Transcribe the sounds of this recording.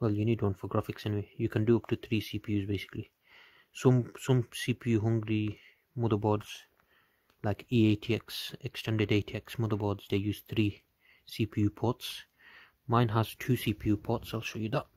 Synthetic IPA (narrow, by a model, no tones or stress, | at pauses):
wɛlˠjɨnid̚wʌ̃nfəɡɹafɪksɛniweɪjɨkʰə̃ndɨʌp̚tʰɨθɹiːsipʰijʉzbeɪsɪ̥kli | sʌ̃msʌ̃msipʰijʉɦʌ̃ŋɡɹi | mʌðə˞bɔɹdz̥ | laɪkieɪtʰiɛksɛkstʰɛ̃ndədeɪtʰiɛksmʌðə˞bɔɹdz̥ðeɪjʉz̥θɹi | sipʰijʉpʰɔts | mãɪ̃nəz̥tʰʉsipʰijʉpʰɔtsaɪlʃojɨðət̚